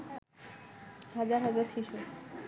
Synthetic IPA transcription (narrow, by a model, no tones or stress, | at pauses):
ɦad͡ʑaɾɦad͡ʑaɾʃiʃu